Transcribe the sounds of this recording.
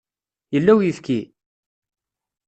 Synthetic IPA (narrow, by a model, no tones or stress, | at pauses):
jəlːæwjifki